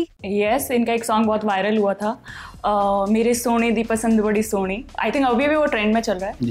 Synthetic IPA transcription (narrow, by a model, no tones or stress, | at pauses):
jɛsɪnkaeːksɔːŋɡbɔɦːt̪ʋaːɪɾəlɦuat̪ʰaː | meːɾesoːɽ̃ed̪ipɐsə̃nd̪bɐɽisoːɽ̃ia̰ːɪt̪ʰɪ̃ŋkɐbʱibʱiʋoʈɾɛ̃ɳɖmẽt͡ʃɐlɾaɛː